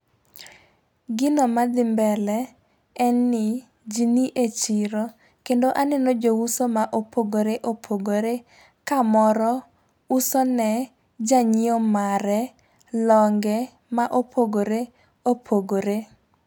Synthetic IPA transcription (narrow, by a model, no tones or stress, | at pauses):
ɡɪnɔmad̪ɪmbɛlɛː | nːɪ | d͡ʒiniʔet͡ʃiɾo | kendoʔanɛnod͡ʒousomaʔopʰoɡoɾeʔopʰoɡoɾe | kamɔɾɔ | usɔnɛ | d͡ʒaɲɪomaɾɛ | lɔŋɡɛ | maʔopʰoɡoɾe | opʰoɡoɾe